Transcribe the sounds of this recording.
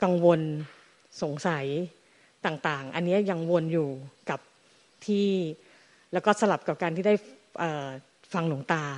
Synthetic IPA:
ka˧ŋwo˧n | so˨˩˦ŋsa˩˦j | t̪aː˨˩ŋt̪aː˨˩ŋʔa̰˧nːi˦˥ɐja˧ŋwo˧njuː˨˩ka˨˩p̚ | t̪ʰiː˥˩ | lɛː˦˥wkɔː˥˩sa˧la˨˩p̚ka˨˩p̚kaː˧nt̪ʰiː˥˩da˥˩j | ʔəː˨˩ | fa˧ŋlu˩˦ŋt̪aː˧

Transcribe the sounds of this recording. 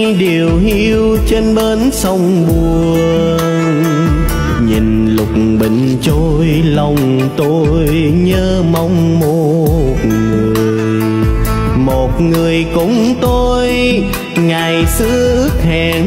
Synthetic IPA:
ɗi˨˩əwhi˧w | t͡ɕe˧nɓe˧nsə˧wŋ͡mɓu˨˩ | əə | n | ɲḭ˨˩n | lʊ˨˩k͡p̚ɓḭ̈˧˨ŋ̟t͡ɕo˧j | lə˧˩wŋ͡m | t̪o˧ | j | ɲəː˧ | ma˧wŋ͡mmo˧˨˧t̚ŋɨ˨˩əəjj | mo˨˩t̚ŋɨ˨˩əjkʊ̰˧˥ŋ͡mt̪o˧j | ŋa˨˩jsɨ˧˥ʔk̚hɛ˨˩

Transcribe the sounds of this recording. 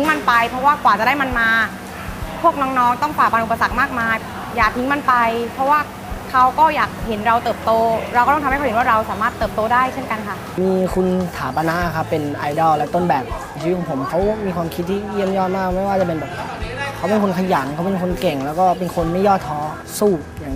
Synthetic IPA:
t̪i˦˥ŋma˧npa˧jpʰɾɔ˦˥waː˥˩kwaː˨˩t͡ɕa˨˩da˥˩ma˧nmaː˧ | pʰu˥˩ək̚nɔː˦˥ŋnɔː˦˥ŋt̪ɔ˥˩ŋfaː˨˩pa˧nʔu˨˩pːa˧sa˨˩k̚maː˥˩k̚maː˧ | jaː˨˩k̚t̪ʰi˦˥ŋma˧npa˧jpʰɾɔ˦˥waː˥˩ | kʰa˦˥wkɔː˥˩jaː˨˩k̚he˩˦nɾa˧wt̪ɤː˨˩p̚t̪oː˧ɾa˧wk̪ːɔ˥˩˧waː˥˩ɾa˧wsaː˩˦maː˥˩t̪ːɤː˨˩p̚t̪oː˧daː˥˩jt͡ɕʰe˥˩nka˧nkʰa˥˩ʔ | miː˧kʰu˧nt̪ʰaː˩˦pa˧na˦˥ʔa˨˩kʰa˦˥pːe˧nʔa˧jdɔː˧˩lɛ˦˥t̪o˥˩nbɛː˨˩p̚ːt͡ɕiː˧˦˥kʰːɔ˨˦pʰo˩˦mkʰa˦˥wmiː˧kʰwaː˧mkʰiː˦˥iː˥˩ji˥˩əmjɔː˥˩maː˥˩k̚ma˥˩jwaː˥˩t͡ɕa˨˩pe˧nbɛː˨˩p̚ | kʰa˦˥wpe˧nkʰo˧nkʰa˧ja˩˦ŋkʰa˦˥wpe˧nkʰo˧nke˨˩ŋlɛː˦˥wkɔː˥˩pe˧nkʰo˧nma˥˩jɔː˥˩t̪ʰːɔː˧˥ | suː˥˩ | jaː˨˩ŋ˦

